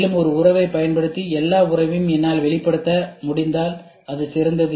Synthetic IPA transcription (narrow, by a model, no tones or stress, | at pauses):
lɯmɔɾɯʊrɐʋɐɪpːɐjɐnpɐɽɯt̪ːiɛlːaːʊrɐʋɯmɛnːaːlʋɛɭɪpːɐɽɯt̪ːɐmʊɽɪnd̪aːl | ɐðɯsɪɾɐnd̪ɐðɯ